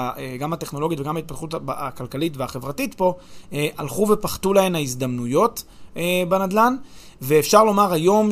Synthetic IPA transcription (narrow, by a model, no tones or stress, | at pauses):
eɡamateχno̞lo̞ɡjotveɡamhait̚pat̪χuta̰kalkalitveaχe̞vʁatitpo̞eʔalχuve̞paχt̪ulae̞maizd̪amnujo̞tebanad̪lanveːfʃaʁlo̞maʁajo̞m